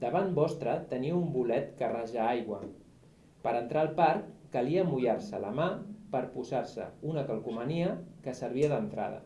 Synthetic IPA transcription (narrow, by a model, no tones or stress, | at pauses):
d̪əβanbɔst̪ɾət̪əniumbulɛt̪kəraʒaajɣwə | pəɾənt̪ɾaːlˠpaɾːəliəmujaɾsəlamapəɾpuzaɾsə̰unəkəlˠkuməniəkəsəɾβ̞iəðənt̪ɾa̰ðə̰